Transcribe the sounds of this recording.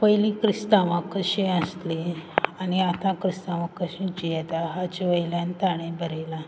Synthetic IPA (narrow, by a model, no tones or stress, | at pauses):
pəjlikɾist̪aʋãkəɕẽəsleaniat̪ãkɾist̪aʋãkːəɕẽd͡ʑijɛt̪aɦat͡ɕʋəjljant̪aɽ̃ẽbʱəɾela